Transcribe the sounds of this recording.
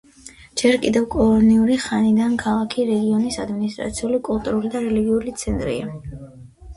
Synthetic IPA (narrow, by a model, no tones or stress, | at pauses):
d͡ʒɛɾkʼid̪ɛvkʼɔɔniuɾiχanid̪ankʰalˠakʰiɾɛɡiɔnisad̪minist̪ʼɾa̰t̪sʰiulikʼulˠt̪ʼuɾulid̪aɾɛliɡiulit̪sʰɛnt̪ʼɾḭa̰